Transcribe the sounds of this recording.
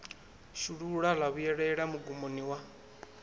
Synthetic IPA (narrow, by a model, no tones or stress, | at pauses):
ʃuɺuɺalaβujɛɺɛɺamuɡumoniwa